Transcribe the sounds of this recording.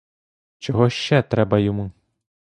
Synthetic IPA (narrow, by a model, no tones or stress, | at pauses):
t͡ʃɔɦɔʃt͡ʃɛt̪ɾɛbɐjɔmu